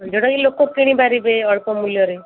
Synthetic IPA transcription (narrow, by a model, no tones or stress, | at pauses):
d͡ʒoɽakilokokiɽ̃ĩbaɾibeɔɭkɔmuljɔɾe